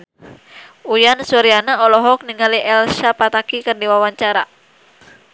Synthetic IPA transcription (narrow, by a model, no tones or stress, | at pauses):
ujansuɾianaɔlɔɦɔk̚niŋaliʔɛlsapat̪akikɨrdiwawaɲt͡ʃaɾa